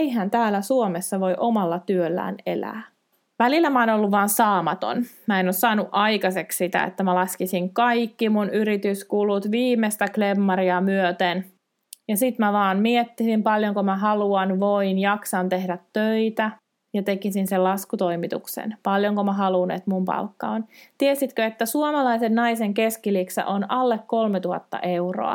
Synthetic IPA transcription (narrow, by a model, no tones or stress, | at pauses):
ejɦænt̪æːlːæsuomesːɑʋo̞jʔomɑlːɑt̪yølːæ̰ːnelæ̰ː | ʋælilːæmæoːnolːuʋʋɑːnsɑːmɑt̪o̰nmæːenoːssɑːnuʔɑjkɑsekssit̪æ̰ḛt̪ːæmælɑskisiŋkɑjkːimunyɾit̪yskulut̪ʋiːmest̪æklemːɑɾiɑmyøt̪en | jɑsit̪mæʋɑːnmiet̪ːisimpɑljoŋkomæɦɑluɑnʋoinjɑksɑnt̪ehdæt̪ːøit̪æ | jɑt̪ekisinsellɑskut̪oimit̪ṵksḛnpɑljoŋkomæɦɑlunḛt̪mumpɑ̰lkːɑ̰ont̪iesit̪køet̪ːæsuomɑlɑisennɑiseŋkeskiliksɑ̰ʔonɑlːekkolmet̪uhɑ̰t̪ːɑ̰ʔeuro̰ɑ̰